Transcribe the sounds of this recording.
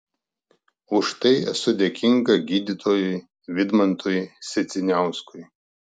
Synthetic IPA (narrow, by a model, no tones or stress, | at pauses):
ʊʃt̪ɐɪɛsʊd̪ʲɛkʲɪŋɡɐɡʲiːd̪ʲɪt̪ʰoːjɪ | ʋʲɪd̪mɐnt̪oːjsʲɛt̪sʲɪnʲæˑʊskʊj